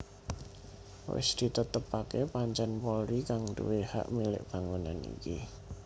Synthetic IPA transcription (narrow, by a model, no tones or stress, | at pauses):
wɪ̰sd̪̥i̤t̪ət̪əpakepaɲt͡ʃɛnpɔɾikaŋd̪uweha̰ʔmilɪ̰ʔb̥a̤ŋuna̰nḭki